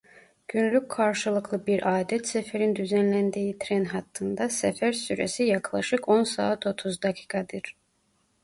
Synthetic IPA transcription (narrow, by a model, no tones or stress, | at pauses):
ɟ̥ynlʲycʰkʰːaɾʃɯlˠɯklˠɯbiɾʔaːd̪ɛt̪sɛfeɾind̪yzænlʲænd̪ejit̪ʰɾɛnɦɑt̪ʰːɯnd̪ɑsɛfæɾsyɾḛsijɑklˠɑʃɯkʰo̞nsa̰ːt̪ʰo̞t̪ʰuzd̪akʰi̥ːkʰɑd̪ɯɾ̥